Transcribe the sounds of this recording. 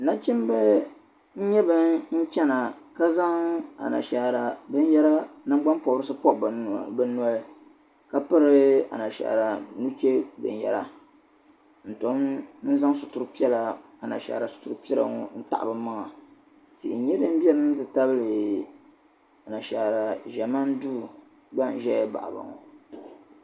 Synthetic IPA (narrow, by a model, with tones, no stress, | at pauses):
na˦t͡ʃɪ˦m˦bɛ˦ | n̩˦ɲɛ˦bɨ˦n̩˦t͡ʃɛ˦na˨ka˦za˦ŋa̰˨na̰˨ʃa˨ɾa˨bɨ˦n˦jɛ˦ɾa˦nɨ˦m˦ɡ͡ba˦npɔ˨bɾɨ˦sɨ˦pɔ˦˨bbɨ˦nu˦a˦l | ka˦pɨ˦ɾɨ˦a̰˨na˨ʃa̰˨ʔɾa˨nu˦t͡ʃe˦bɨ̰˨n˨jɛ̰˨ɾa̰˦ | n̩˨to˦mn̩˦za˦ŋ˦sʊ˨tu˨ɾpi˦ɛ˦la˨ | a˨na̰˨ʃa̰˨ɾa˨sʊ̥˨tu˨ɾpi˦ɛ˦la̰˨ŋɔ̰˨n̩˦ta̰˨ʔa̰˨bɨ˦ma˦ŋa˨ | tḭ˨ʔn̩˨˦ɲɛ˦dɨ˦m˦bi˦ɛ˦lɨ˦n˦tɨ˨ta˦bɨ˦lɨ˨ | a˨na˨ʃa˨ɾa˨ʒɛ˨ma˦n˦duː˦ | ba˦˨n̩˨ʒɛ˦jba̰˨ʔa̰˨ba̰˨ŋɔ̰˨